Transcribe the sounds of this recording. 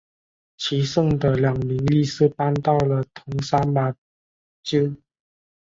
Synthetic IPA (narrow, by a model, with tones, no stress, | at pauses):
t͡ɕʰi˨˧˥ʂɤ˥˩ŋd̪ə˨ljɑ˨˩ŋmi˨˥ŋli˥˧sɹ̩˥˩pa˥nt̪ɑ˥˩ʊlə˩t̪ʰʊ˧˥ŋsa˥ma˨˩ | t͡ɕi˥